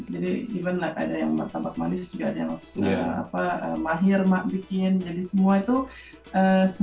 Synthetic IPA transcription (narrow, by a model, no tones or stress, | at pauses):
d͡ʒadidibanlahka̰dajaŋbərt̪ambat̪̚manɪsd͡ʒuɡaʔadaja̰ŋə̰a̰paə̰maɦɪrmaʔ̚bikɪnd͡ʒadisəmuait̪u | əsə